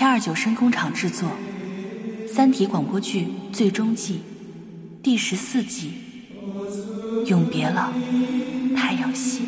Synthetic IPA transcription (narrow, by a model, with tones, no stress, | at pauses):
ɐ˞˥˩t͡ɕjo˨˩ʊʂə˥ŋkʊ˥ŋʈ͡ʂʰɑ˨˩ŋʈ͡ʂɻ̩˥˧t͡swɔ˥˩ | sa˥nt̪ʰi˧˥kwa˨˩ŋpwɔ˥t͡ɕʰy˥˧t͡swe˥˩ɪʈ͡ʂʊ˥ŋt͡ɕi˥˧ | t̪i˥˧ʂɻ̩˧˥sɹ̩˥˩t͡ɕi˥˩ | jʊ˥˩ŋpjɛ˧˥lɑ˨˩˦ | t̪ʰa˥˧ɪjɑ˥˩ʊɕi˥˩